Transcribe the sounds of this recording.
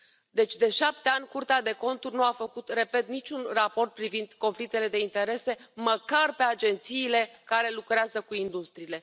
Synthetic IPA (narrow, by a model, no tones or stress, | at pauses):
d̪e̞t͡ʃʲd̪e̞ʃap̚t̪e̞anʲkurt̪ead̪e̞ko̞nt̪urʲnuafəkut̪re̞pe̞t̪nit͡ʃʲunrapo̞rt̪̚pɾivind̪ko̞nflik̚t̪e̞le̞d̪e̞int̪e̞ɾe̞se̞məkarpe̞ad͡ʒe̞nt̪siːle̞kaɾe̞lukɾeazəkuind̪ust̪ɾiːle̞